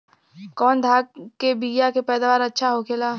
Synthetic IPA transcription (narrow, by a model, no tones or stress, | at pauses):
kɔːnd̪ʱaːɡ̚kebiːjakepɛːd̪aːʋaːɾɐtːʃʰaɦokʰelaː